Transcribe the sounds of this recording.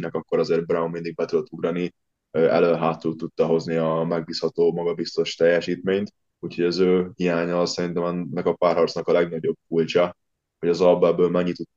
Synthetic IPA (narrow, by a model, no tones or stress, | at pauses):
nɛkɒkːo̞ɾɒzeːrbraummind̪iɡ̚bɛt̪ylt̪uɡrɒni | øʔɛ̰løːnɦaːt̪ːult̪ːut̪ːɒɦo̞zniɒmɛɡ̚biːshɒt̪oːmɒɡɒbist̪o̞ʃt̪ɛjːɛʃiːt̪meːɲt̪ | uːcho̞ɟɒzøːhijaːɲɒsɛɾint̪ɛmɛnːɛkɒpaːrɦɒrt̪snɒkɒlɛɡnɒɟo̞b̥̚kult͡ʃɒ | ho̞ɟɒzɒbɛbːøːlmɛɲːit̪u